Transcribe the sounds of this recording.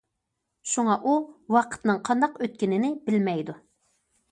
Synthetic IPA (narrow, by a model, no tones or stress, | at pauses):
ʃuŋɑʔuwɑqʰə̥t̪nɨŋqʰɑnd̪ɑqøt̪̚kʲinɪnɪbɪlmɛjd̪u